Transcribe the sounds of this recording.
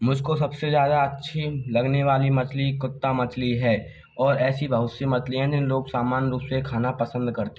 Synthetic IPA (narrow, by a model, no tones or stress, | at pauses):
mʊd͡ʒʱkosɐbsezjaːd̪aɐtːʃʰilɐɡneʋaːlimɐt͡ʃlikʊt̪ːamɐt͡ʃliɦɛː | ɔːɾɛːsibʱɐɦʊt̪semɐt͡ʃlijãd͡ʒɪnloːɡsaːmaːnɾuːpsekʰaːnapɐsə̃nd̪kɐɾt̪e